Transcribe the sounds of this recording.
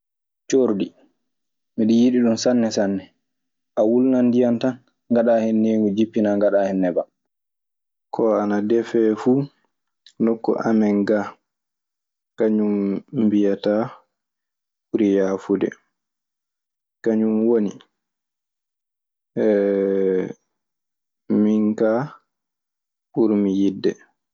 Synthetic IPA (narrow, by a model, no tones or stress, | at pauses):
t͡ʃoɾdi | miɗijiɗiɗunsanːɛsanːɛ | ʔawulnandijantan | ŋɡaɗahɛnːeɡud͡ʒipːinaŋɡaɗahɛnːɛba | kʰɔanadɛfɛfuː | nɔkːɔ̰ʔamɛŋɡa | kaɲumbijata | uɾijaːfudɛ̰ | kaɲumwoni | miŋka | ʔuɾmijidːɛ